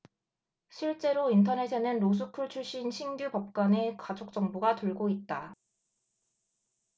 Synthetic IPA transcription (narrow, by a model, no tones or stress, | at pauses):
ɕʰiɭt͡ɕ͈e̞ɾointʰʌne̞sʰʌnɯnɾos̬ʰukʰuɭt͡ɕʰuɭɕ͈inɕʰiŋɡjupʌp̚k͈wane̞kad͡ʑok̚t͡ɕ͈ʌŋbuɡatɯɭɡoit̚t͈a